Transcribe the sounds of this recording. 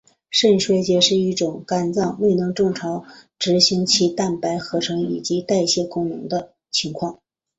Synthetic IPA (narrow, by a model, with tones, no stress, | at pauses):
ʂə˥˩nʂwe˥ɪt͡ɕjɛ˧˥ʂɻ̩˥˧i˥˩ʈ͡ʂʊ˨˩ŋka˨˩nt͡sɑ˥˩ŋwe˥˩ɪnɤ˧˥ŋʈ͡ʂɤ˥˩ŋʈ͡ʂʰɑ˧˥ʊ | ʈ͡ʂɻ̩˧˥ɕi˧˥ŋt͡ɕʰi˧˥t̪a˥˩npa˧˥ɪxɤ˧˥ʈ͡ʂʰɤ˧˥ŋi˨˩t͡ɕi˧˥t̪a˥˧ɪɕjɛ˥˧kʊ˥ŋnɤ̰˧˥ŋd̪ə˧ | t͡ɕʰi˧˥ŋkʰwɑ˥˩ŋ